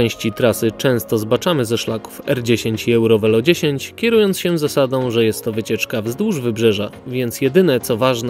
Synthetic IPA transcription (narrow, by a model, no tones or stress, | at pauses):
ɛw̃ɕt͡ɕit̪ɾasɘt͡ʂɛ̃w̃st̪ɔzbat͡ʂamɘzɛʂlaku̥fɛɾd͡ʑeɕeɲt͡ɕiɛwɾɔvɛlɔd͡ʑeɕeɲt͡ɕkʲɛɾujɔntsɕɛzasad̪ɔ̃w̃ʐɛjɛst̪ːɔvɘt͡ɕɛt͡ʂkavzd̪wuʐvɘbʐɛʐavʲjɛnt̪sjɛd̪ɘnɛt̪sɔvaʐn